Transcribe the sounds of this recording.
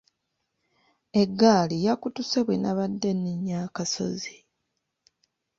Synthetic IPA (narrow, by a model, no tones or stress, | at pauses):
e̞ɡːaːlijakutuseβwenaβadːe̞nːiɲːakaso̞̰zi